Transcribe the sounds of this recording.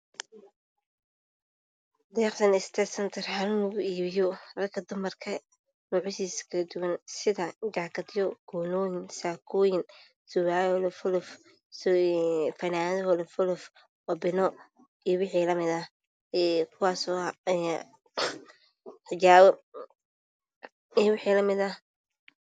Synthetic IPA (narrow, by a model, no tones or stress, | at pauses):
d̪ɛːɾt̪ʰɐnɪst̪ʰɛsɐnt̪ʰɐrhalʊnʊɣʊiːβɪjɔrɐkʰɐd̪ʊmɐrkʰɐ | nʊʕɪsiːskʰɐd̪ʊwɐnsɪðɐɡaːkʰɐd̪jɔɡ̥ɔːnɔːjɪnsaːkʰɔːjɪn | sʊβaːjlfʊlʊf | s | fɐnaːðɔhɔlfʊlʊf | ɔbɪnɔ | iːwɪħiːlɐmɪd̪ɐh | ɛkʰʊwaːsɔɛ | ħɪt͡ʃaːwɔ | ijwʊħiːlɐmɪd̪ɐh